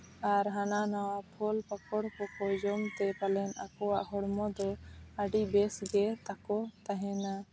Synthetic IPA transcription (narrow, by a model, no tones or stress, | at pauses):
aɾɦananawapʰɔlpakɔɽkɔkɔd͡ʒɔmt̪ɛpalɛnakɔwaʔɦɔɽmɔd̪ɔəɖibɛsɡɛt̪akɔt̪aɦɛna